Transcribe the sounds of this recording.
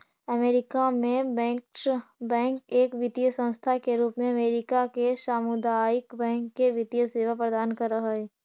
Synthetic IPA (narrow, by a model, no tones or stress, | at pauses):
əmeːɾɪkamẽbɛ̃ːkbɛ̃ːŋkeːkʋɪt̪ijəsə̃nst̪ʰakeɾuːpmẽɐmeːɾɪkakeʃaːmud̪aɪkbɛ̃ːŋkːeʋɪt̪ijəseːʋapɾəd̪aːnkɐɾːəɦaɛː